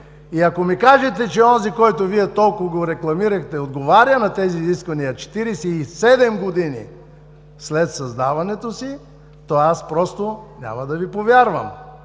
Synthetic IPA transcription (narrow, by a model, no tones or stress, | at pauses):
iɐkomikaʒɛt̪ɛt͡ʃɛɔnzikɔjt̪oviɛt̪ɔlˠkoɡoɾɛklˠɐmiɾɐxt̪ɛod̪ɡovaɾʲjənɐt̪ɛziːziskvɐnijɐt͡ʃɛ̥t̪iɾɛsɛisɛd̪ɛmɡod̪inḭ | slɛt̪sɐzd̪avɐnɛt̪osi | t̪ɔaspɾɔst̪onʲa̰mɐd̪ɐvipovʲjaɾvə̰m